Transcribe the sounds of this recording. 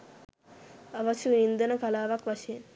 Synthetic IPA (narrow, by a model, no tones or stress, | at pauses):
aʋasuind̪ənəkalaːʋakʋaʃejen